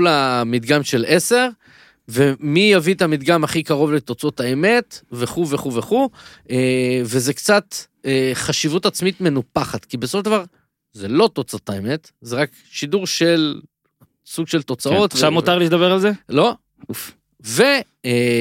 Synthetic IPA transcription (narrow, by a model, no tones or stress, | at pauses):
lamid̪ɡamʃe̞lese̞ʁ | vemijavit̪amid̪ɡamaχikaʁo̞vlet̪o̞t͡so̞taeme̞t̪veχuveχuveχuevezekt͡sat̪ | eχaʃivutat͡smit̪me̞nupaχat̪kibesofoʃdavaʁ | zelo̞t̪o̞t͡sotaeme̞t̪ | zeʁak | ʃiduʁʃe̞l | suɡʃelt̪o̞t͡sao̞tʃamutaʁliːtd̪abeʁalzelo̞ | ve